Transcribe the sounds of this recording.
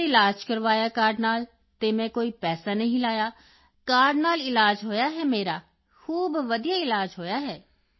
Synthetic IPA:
ɪlaːd͡ʒkɐɾʋaːjakaːɾɖnaːl | t̪emɛ̃koːipɛːsanɐɦĩlaːja | kaːɾɖnaːlɪlaːd͡ʒɦoːjaɦɛmeːɾa | xuːbʋɐd̪ijaɪlaːd͡ʒɦoːjaɦɛː

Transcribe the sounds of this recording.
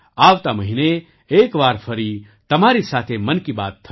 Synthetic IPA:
aːʋt̪amɐɦine | eːkʋaːɾfʰɐɾi | t̪ɐmaːɾisaːt̪ʰemɐnkiba̰ːt̪ʰːɐ

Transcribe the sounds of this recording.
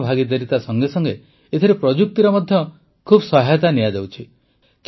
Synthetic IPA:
bʱaɡid̪eɾit̪asɔŋɡesɔŋɡe | et̪ʰiɾepɾɔd͡ʒuk̚t̪iɾɔmɔd̪ʱjɔ | kʰubsɔɦajt̪anijad͡ʒawt͡ʃʰi | k

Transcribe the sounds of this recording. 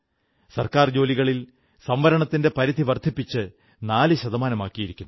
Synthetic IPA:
sɐrkaːrd͡ʑo̞ːliɣɐɭil | sɐmʋɐɾɐɳɐt̪ːinde̞pɐɾid̪ʱiʋɐrd̪ʱipːit͡ɕːɨ | naːlɨɕɐðɐmaːnɐmaːkːijiɾikʲːunːu

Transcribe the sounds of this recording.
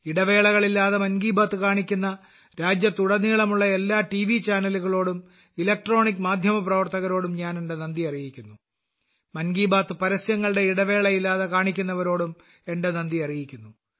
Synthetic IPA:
iɽɐʋe̞ːɭɐɣɐɭilːaːðemɐnɡiːbaːt̪ːɨkaːɳikʲːunːɐ | ɾaːd͡ʑjɐt̪uɽɐnːiːɭɐmuɭːɐe̞lːaːʈiʋit͡ɕaːnɐluɣɐɭo̞ːɽum | ilɐk̚ʈro̞ːɳikːmaːd̪ʱjɐmɐprɐʋɐrt̪ɐɣɐɾo̞ːɽumɲaːne̞ɳɖe̞nɐnd̪iɐrijikʲːunːu | mɐnɡiːbaːt̪ːɨpɐɾɐsjɐŋːɐɭɨɽe̞iɽɐʋe̞ːɭɐjilːaːðekaːɳikʲːunːɐʋɐɾo̞ːɽum | e̞ɳɖenɐnd̪iɐrijikʲːunːu

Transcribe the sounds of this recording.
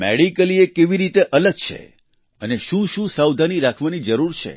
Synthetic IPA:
mḛɽikəliekeʋiɾit̪eʔələɡ̚t͡ʃʰḛ | əneʃũʃũsawd̪ʱaniɾakʰʋanid͡ʒəɾuɾt͡ʃʰḛ

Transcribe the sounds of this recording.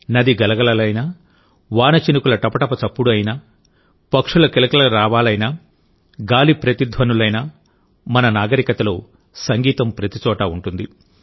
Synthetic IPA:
nɐd̪iɡɐlɐɡɐlɐlɐjnaː | ʋaːnɐt͡ʃinukulɐʈɐpɐʈɐpɐt͡ʃɐpːuɽɐjnaː | pɐkʂulɐkilɐkɐlɐɾaːʋaːlɐjna | ɡaːlipɾɐt̪id̪ʱʋɐnulɐjnaː | mɐnɐnaːɡɐɾikɐt̪ɐloː | sɐŋɡiːt̪ɐmpɾɐt̪it͡ʃɔːʈɐːuɳʈund̪i

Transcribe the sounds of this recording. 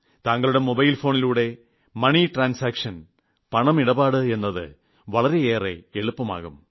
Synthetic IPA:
t̪aːŋːɐɭuɽe̞mobɐjlfo̞ːniluːɽe̞ | mɐɳiʈraːnsaːkʂɐn | pɐɳɐmiɽɐbaːɽɨe̞nːɐðɨ̰ | ʋɐɭɐɾe̞eːre̞̰eɭupːɐma̰ːɣum

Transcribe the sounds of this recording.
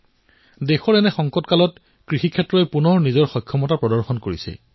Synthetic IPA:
dexɔɹɛnɛxɔŋkɔtkalɔt | kɹixikʰɛtɹɔɛpunɔɹnizɔɹxɔjkʰːɔmɔtapɹɔdɔɹxɔnkoɹisɛ̰

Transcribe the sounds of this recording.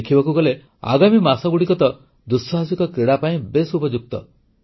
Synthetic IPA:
kʰibakuɡɔle | a̰ɡamimasɔɡuɽikɔt̪ɔ | d̪usɔɦasukɔkɾeɽapaĩbesupɔd͡ʒuk̚t̪ɔ̰

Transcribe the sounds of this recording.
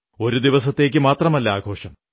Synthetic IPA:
o̞ɾud̪iʋɐsɐt̪ːe̞ːk̬ʲːɨmaːt̪rɐmɐlːɐa̰ːɡʱo̞ːʂɐm

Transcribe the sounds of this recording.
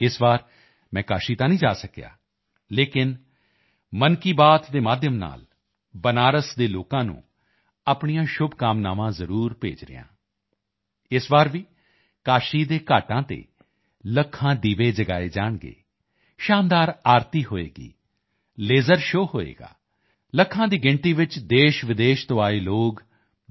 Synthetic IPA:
ɪsbaːɾ | mɛ̃ːkaːʃiːt̪ãːnĩːd͡ʒaːsəkja̰ː | leːkɪn | mənkiːbaːt̪d̪eːmaːd̪ʱjəmna̰ːl | bənaːɾəsd̪eːloːkãːnṵ̃ː | aːpɳijãːʃʊbkaːmnaːʋãːzəɾuːɾpḛːd͡ʒɾɪ̰jã̰ː | ɪsbaːɾʋiː | kaːʃiːd̪eːkaːʈãːt̪ḛː | ləkʰːãːd̪iːʋeːd͡ʒəɡaːeːd͡ʒaːɳɡḛː | ʃaːnd̪aːɾaːɾt̪iːɦoːḛːɡḭː | leːzəɾʃoːhoːḛːɡa̰ː | ləkʰːãːd̪iːɡɪɳʈiːʋɪt͡ʃd̪eːʃʋɪd̪eːʃt̪õːaːeːloːɡ

